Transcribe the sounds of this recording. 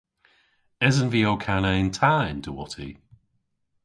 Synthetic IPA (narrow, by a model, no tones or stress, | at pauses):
ɛzənviowkʰaneɪntʰaːɪnd̥əwɔtʰḭ